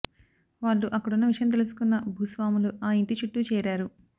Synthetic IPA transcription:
ʋaːɭːuʔɐkːɐɽunːɐʋiʂɐjɐmt̪̬elus̬u̥kunːɐbʱuːsʋaːmuluʔaːiɳʈit͡ʃuʈːut͡ʃɛːɾaːɾu

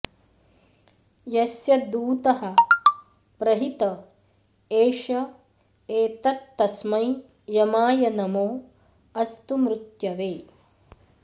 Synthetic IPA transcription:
jɐsjɐd̪uːt̪ɐhɐ̆ | pɾɐɦit̪ɐ | eːʃɐ | eːt̪ɐt̪ːɐsmɐj | jɐmaːjɐnɐmoː | ɐst̪umɾut̪jɐʋeː

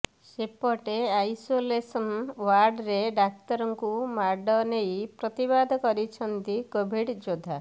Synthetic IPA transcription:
sepɔʈeajsolesɔnwaɾɖɾeɖak̚t̪ɔɾɔŋkumaɾɖɔnejpɾɔt̪ibad̪ʱɔkɔɾit͡ʃʰɔnt̪ikobʱiɖd͡ʒod̪ʱa

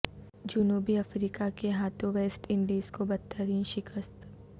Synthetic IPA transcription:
d͡ʒʊnuːbiɐfɾiːkakeɦaːt̪ʰõʋeːsʈɪ̃ɳɖiːzkobɐtt̪ːəɾiːnʃɪkəst̪

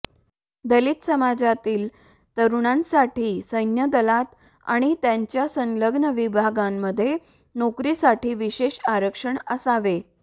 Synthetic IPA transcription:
d̪əlit̪səmad͡zat̪iːl | t̪əɾuɳ̃ãnsaʈʰiːsəjnjəd̪əlat̪ | a̰ɽ̃it̪jaɲt͡ɕjasə̃nləɡnəʋibʱaɡamːəd̪ʱːje | nokɾisaʈʰiːʋiɕeɕaɾəkʂəɳəsaʋe

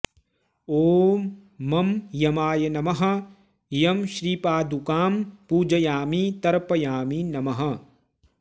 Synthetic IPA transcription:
oː | ɐmjɐmaːjɐnɐmɐɦɐ̆ | jɐmʃɾiːpaːd̪ukaːmpuːd͡ʒɐjaːmit̪ɐɾpɐjaːminɐmɐɦɐ̆

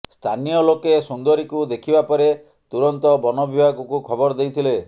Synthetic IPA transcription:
st̪ʰanijɔlokesund̪ɔɾikud̪ekʰibapɔɾe | t̪uɾɔnt̪ɔbɔnɔbibʱaɡɔkukʰɔbɔɾd̪ejt̪ʰile

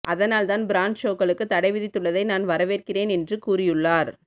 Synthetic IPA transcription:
ʔɐðɐnaːlt̪aːnbɪɾaːnʂoːkːɐɭɯkːɯt̪ːɐɽɐɪʋɪðɪt̪ːɯɭːɐðɐɪnaːnʋɐɾɐʋeːrkɪreːnɛndrɯkuːrɪjɯɭːaːɾ

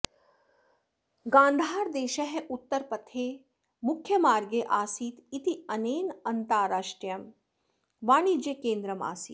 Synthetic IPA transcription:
ɡãːnd̪ʱaːɾd̪eːʃɐɦʔut̪ːɐɾpɐt̪ʰːeː | mʊkʰːjɐmaːɾɡeʔaːsiːt̪it̪iɐneːnɐnt̪aːɾaːʃʈɾijɐm | ʋaːɳid͡ʒekeːnd̪ɾɐma̰ːsiːt̪

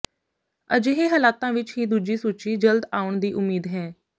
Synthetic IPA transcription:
ə̰d͡ʒeːɦeːɦəːlaːt̪ãːʋɪt͡ʃɦiːd̪uːd͡ʒiːsuːt͡ʃiːd͡ʒəld̪aːʊɳd̪iːʔʊmːiːd̪ɦɛ̃ː

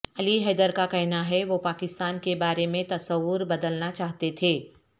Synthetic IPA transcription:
ɐliɦɛːd̪əɾkakɛɦnaɦɛʋopaːkɪst̪aːnkebaːɾemẽt̪ɐsəʋːʊɾbɐd̪əlnat͡ʃaːɦt̪et̪ʰeː

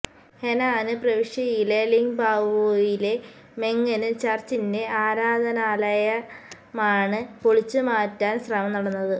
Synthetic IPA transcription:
henaːnɨprɐʋiʂjɐjileliŋbʱaːʋoːjile̞ | me̞ŋːɐnɨt͡ɕɐrt͡ɕinde̞aːɾaːd̪ʱɐnaːlɐjɐ | maːɳɨpoɭit͡ɕːɨmaːtːaːnsrɐmɐmnɐɽɐnːɐðɨ

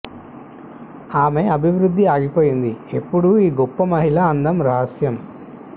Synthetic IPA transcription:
aːme̞ɐbʱiʋɾud̪ʱːiaːɡipo̞ːjind̪ie̞pːuɽuiːɡɔpːɐmɐɦilaːnd̪ɐmɾɐɦɐsjɐm

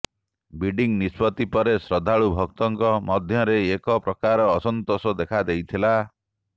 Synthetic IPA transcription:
biɖiŋnispɔt̪ipɔɾesɾɔd̪ʱaɭubʱɔk̚t̪ɔŋkɔmɔd̪ʱjɔɾeːkɔpɾɔkaɾɔːsɔnt̪osɔd̪ekʰad̪ejt̪ʰila

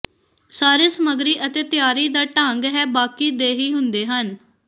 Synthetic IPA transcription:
saːɾeːsəməɡɾiːʔət̪eːt̪ɪjaːɾiːd̪aːʈãːŋɡɦɛːbaːkiːd̪eːɦiːɦʊnd̪eːɦən

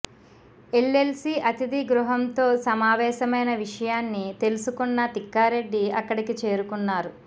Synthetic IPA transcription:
elːe̞lsiʔɐt̪id̪iɡɾuɦɐmt̪o̞ːsɐmaːʋɛːʃɐmɐjnɐʋiʂɐjaːnːit̪e̞lusukunːɐt̪ikːaːɾe̞ɖːiɐkːɐɽikit͡ʃe̞ːɾukunːaːɾu

